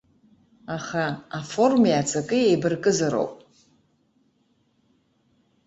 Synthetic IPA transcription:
aχaːfo̞rmjat͡sʰʼakʼɨjejbɨrkʼɨzaɾo̰wpʼ

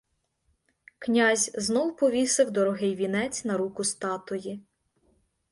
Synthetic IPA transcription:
knʲazʲznɔwpɔʋʲisɪwd̪ɔɾɔɦɪjʋʲinɛt͡sʲnɐɾukʊst̪ɑt̪ɔji

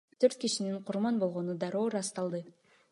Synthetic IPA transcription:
t̪ʰø̞ɾt̪̚kiʃiniɴqʰʊɾmɑnbo̞lˠʁo̞nud̪ɑɾo̞ːɾɑst̪ɑlˠd̪ɯ

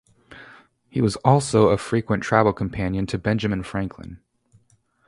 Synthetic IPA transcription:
hiwʌzɔlˠsoʊəfɹikwə̃ntʰɹ̥ævl̩ˠkʰm̩pʰæ̃njɨ̃ntʰɨbɛ̃nd͡ʒɨmɨ̃nfɹæ̃ŋkʰlɨ̰̃n

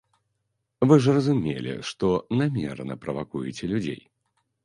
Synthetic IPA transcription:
vɨʐrɐzumʲḛlʲɛ̰ʂt̪ɔnamʲɛrnɐpɾɐvakujɛt͡sʲɛlʲud͡zʲḛj

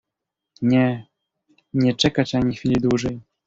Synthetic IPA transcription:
ɲɛ | ɲɛt͡ʂɛkat͡ɕaɲixfʲilʲid̪wuʐɛj

